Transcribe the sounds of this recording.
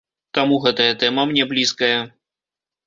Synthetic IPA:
t̪amuɣɛt̪ɐjɐt̪ɛmɐmnʲɛblʲiskɐjɐ

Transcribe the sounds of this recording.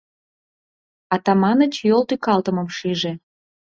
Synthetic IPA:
ɑt̪ɑmɑnə̆t͡ɕjolˠt̪ykɑlt̪əmə̆mʃiʒe

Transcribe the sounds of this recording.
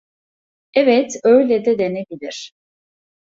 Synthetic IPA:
ɛvɛt̪ø̞jlʲɛd̪ɛd̪e̞nebilʲiɾ̥

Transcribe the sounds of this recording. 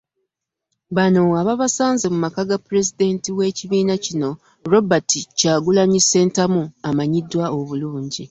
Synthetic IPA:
βano̞aβaβasaːnzemumakaɡapːuɾe̞zide̞ntiwe̞ːciβiːnacino̞ | ɾo̞baticaːɡulaɲise̞ːntamuamaɲidːwao̞βuluːɲɟi

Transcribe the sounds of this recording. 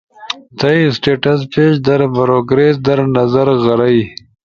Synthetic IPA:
t̪ɐjsʈeʈɐspeːʃd̪ɐɾbɐɾoɡɾes̬d̪ɐɾnɐzɐɾɣɐɾɐj

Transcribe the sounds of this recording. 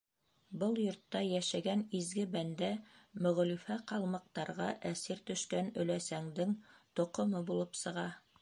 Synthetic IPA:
bɤlˠjŏɾt̪ːɑjæʃæɡænizɡɘbænd̪æmɵ̆ʁ̆lifæqɑlˠmɑ̆q̚t̪ɑɾʁɑʔæsiɾt̪ɵ̆ʃkænɵ̆læsæŋd̪ɘŋt̪ŏqŏmɤbulˠɤpsɤ̆ʁɑ

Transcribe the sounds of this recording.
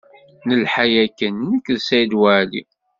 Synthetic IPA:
nəlħajækənːəkːðsæjd̪wæʕlḭ

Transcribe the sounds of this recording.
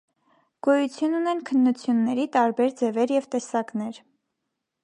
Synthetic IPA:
ɡ̥ɔjut͡sʰjununɛnkʰənːut͡sʰjunːɛɾit̪ɑɾbɛɾd͡zɛvɛɾjɛvt̪ɛsɑknɛɾ

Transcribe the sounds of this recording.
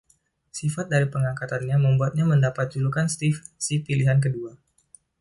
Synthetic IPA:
sifat̪̚daɾipəŋakat̪anɲaməmbuat̪̚ɲaməndapat̪̚t͡ʃulukanst̪ifsipiliɦank̬ədua

